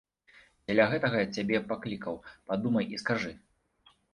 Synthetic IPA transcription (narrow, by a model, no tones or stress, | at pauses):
d͡zʲalʲaɣɛt̪ɐɣɐjat͡sʲabʲɛpaklʲikɐwpad̪umɐjiskaʐɨ